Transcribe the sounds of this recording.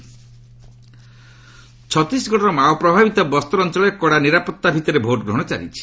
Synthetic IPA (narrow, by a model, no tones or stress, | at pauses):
t͡ʃʰɔt̪isɡɔʈɔɾɔmaɔpɾɔbʱabit̪ɔbɔst̪ɔɾɔnt͡ʃɔlɔjekːɔɽaniɾapɔt̪ːabʱit̪ɔɾebʱoʈɡɾuɦɽ̃ɔt͡ʃa̰ɾḭt͡ʃʰi̥